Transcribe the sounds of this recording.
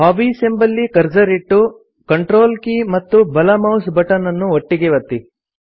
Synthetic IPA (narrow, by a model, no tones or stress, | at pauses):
haːʋiːsembɐlːikɐɾd͡ʒɐɾiʈːu | kɐɳʈɾoːlkiːmɐt̪ːubɐlɐmɐwsbɐʈɐnɐnːuoʈːiɡeʋɐt̪ːi